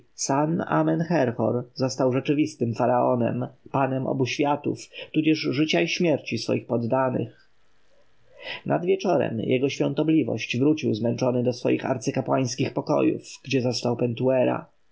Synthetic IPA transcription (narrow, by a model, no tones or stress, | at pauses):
sana̰mɛnxɛɾxɔ̰ɾzɔst̪awʐɛt͡ʂɘvʲist̪ɘmfaɾaɔnɛ̰mpanɛmʔɔ̰buɕfʲjat̪ṵft̪ud͡ʑɛʐʐɘt͡ɕaiɕmʲjɛɾt͡ɕisfɔ̰jixpɔd̪ːanɘ̰x | nʔa̰d̪vʲjɛt͡ʂɔɾɛ̰mjɛɡɔɕfʲjɔ̃nt̪ɔblʲivɔ̰ɕt͡ɕvɾut͡ɕiwzmɛnt͡ʂɔnɘd̪ɔsfɔ̰jixa̰ɾt̪sɘkapwaj̃skʲixpɔkɔ̰jṵfɡ̥d͡ʑɛzɔst̪awpɛnt̪uɛɾa̰